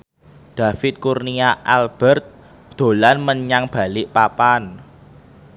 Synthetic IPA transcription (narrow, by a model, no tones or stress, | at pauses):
d̪̥ä̤fɪt̪̚kurniaʔalb̥ɛrt̪̚ | d̪̥o̤lanməɲaŋb̥a̤lɪʔpapan